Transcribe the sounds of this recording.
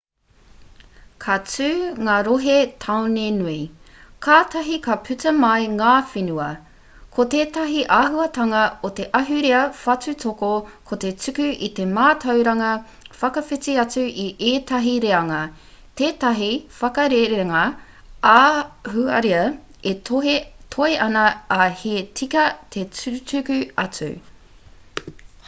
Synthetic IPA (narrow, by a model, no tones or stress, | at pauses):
kʰɐt͡sʉːŋaːɾoɦet̪ʰawnenui | kʰaːt̪ɐɦikɐpʰʉt͡sɐmɐjŋaːfenuɐ | kʰot̪eːt̪ɐɦiʔaːɦuɐt̪ɐŋɐot̪e̞ʔɐɦʉɾeɐfɐt͡sutʰokokʰot̪e̞t͡sʉkʉʔḭt̪e̞maːt̪ʰɐwɾɐŋɐ | fɐkɐfit͡siɐt͡sʉʔiʔeːt̪ɐɦiɾeɐŋɐ | t̪eːtɐɦifɐkɐɾeɾeɾɐŋɐ | ahuɐɾiɐ | eoɦetʰoeʔɐnɐːhet͡sʰikɐt̪ʰe̞t͡st͡sʉkʉɐt͡sʉ̰